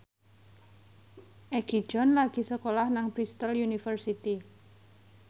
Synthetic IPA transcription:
ʔɛɡ̥i̤̥d͡ʒɔ̤nlaɡ̥i̤səkolahnaŋpɾist̪əljunifərsit̪i

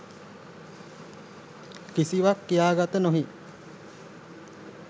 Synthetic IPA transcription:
kisiʋakːijaːɡat̪ənoɦi

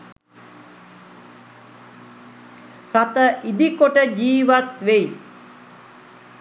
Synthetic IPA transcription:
rat̪əʔid̪ikoʈəd͡ʒiːʋat̪ʋeji

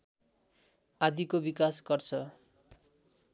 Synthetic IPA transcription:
ad̪ikobikasɡʌrt͡sʰʌ

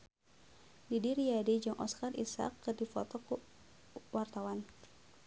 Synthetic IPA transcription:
didiɾiadid͡ʒɨŋʔɔ̰skarʔḭsa̰kːɨrdifɔ̰t̪ɔku | wart̪awan

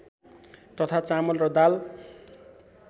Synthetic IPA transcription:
t̪ʌt̪ʰat͡samʌlrʌd̪al

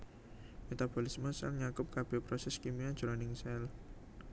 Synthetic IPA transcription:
met̪ab̥olisməsɛ̰lɲakʊp̚kab̥ɛ̤pɾɔsɛskimiḁd͡ʒ̥ɾɔnɪŋsɛl

